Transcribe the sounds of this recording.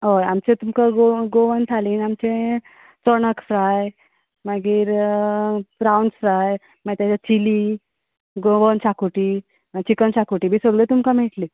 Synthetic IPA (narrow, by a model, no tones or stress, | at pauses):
ɦojamt͡ɕẽt̪umkaɡoɡoʋənt̪ʰaliːnamt͡ɕẽ | t͡səɳəkfɾaj | maɡiːɾ | fɾawnɖsɾaj | maɡt̪at͡ɕat͡ɕiliː | ɡoʋənt͡ɕakuʈiː | mat͡ɕikənt͡ɕakuʈiːbʱiːsəɡlet̪umkameʈli